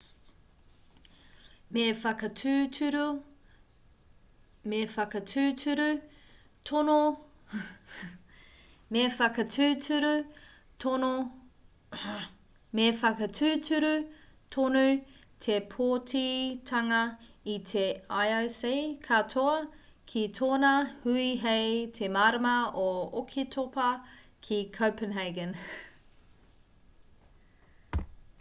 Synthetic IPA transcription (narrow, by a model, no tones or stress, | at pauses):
mefɐkɐtʰʉːtʰʉɾu | mefɐkɐtʰʉːtʰʉɾʉ | tʰono | mefɐkɐtʰʉːtʰʉɾu | tono | mefɐkɐtʰʉːtʰʉɾut̪ʰonʉ | t̪ʰepʰoːtʰitʰɐŋɐit̪ʰeajosekʰatʰoɐ | kʰit̪ʰoːnɐhʉiɦejt̪ʰemaːɾəmɐookʰit̪ʰopɐkʰikʰowpənɦeɡə̃n